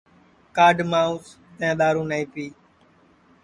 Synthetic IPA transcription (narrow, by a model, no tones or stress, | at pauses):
kaːɖmaːuːs | t̪ɛãːɗ̪aːɾũːnaĩːpiː